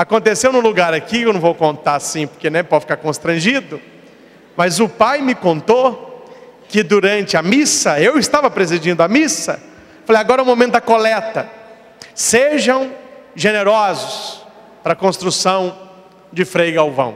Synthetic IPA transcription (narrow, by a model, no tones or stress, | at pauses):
akõnt̪esewnʊ̃luɡaɾakikewnɐ̃w̃vowkõnt̪asĩpo̥ɾkenɛ̃pɔdfi̥kaɾkõst̪ɾɐ̃ʒid̪ʊ | mɐzʊpajmɪkõnt̪o | kɪd̪uɾɐ̃nt͡ʃɪɐmisɐewɪst̪avɐpɾezid͡ʒĩnd̪ʊɐmisɐ | falejaɡɔɾɐũmõmẽnt̪ʊd̪ɐkolɛt̪ɐ | seʒɐ̃w̃ʒeneɾɔzʊsʊs | pɾɐkõst̪ɾusɐ̃w̃ | d͡ʒɪfɾejɡawvɐ̰̃w̃